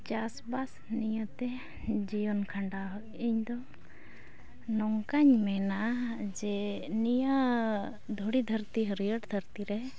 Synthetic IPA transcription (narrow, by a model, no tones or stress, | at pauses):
t͡ʃasbas | nijət̪ɛ | d͡ʒijɔnkʰaɳɖaɦ | iɲd̪ɔ | nɔŋkaɲmɛnad͡ʒɛnijə | d̪ʱoɽid̪ʱəɾt̪iɦəɾijəʈd̪ʱəɾt̪iɾɛ